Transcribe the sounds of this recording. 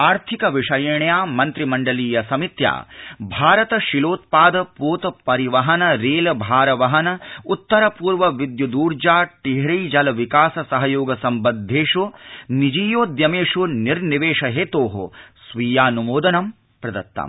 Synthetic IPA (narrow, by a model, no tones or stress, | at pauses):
aːɾt̪ʰikɐʋiʂɐjɐɳjaːmɐnt̪ɾimɐɳɖɐliːjɐsɐmit̪ja̰ːbʱaːɾɐt̪ɐʃiloːt̪̚paːd̪ɐpoːt̪ɐpɐɾiʋɐɦɐnɐɾeːlɐbʱaːɾɐʋɐɦɐnɐut̪ːɐɾɐpuːɾʋɐʋid̪jud̪uːɾd͡ʒaːʈiɦɾɐjd͡ʒɐlɐʋikaːsɐsɐɦɐjoːɡɐsɐmbɐd̪ʱːeːʂunid͡ʒiːjoːd̪jɐmeːʂuniɾniʋeːʂɐɦeːt̪oːɦo̰sʋiːjaːnumoːd̪ɐnɐm | pɾɐd̪ɐt̪ːɐ̰m